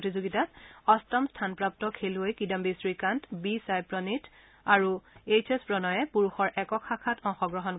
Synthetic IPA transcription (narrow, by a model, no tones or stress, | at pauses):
tizoɡitatɔstɔmstʰanpɹap̚tɔkʰeluojkidambisɹikantbisajpɹɔnit | aɹuet͡ʃespɹɔnɔjɛpuɹuxɔɹʔɛkɔkʰakʰatɔŋxɔɡɹɔɦɔn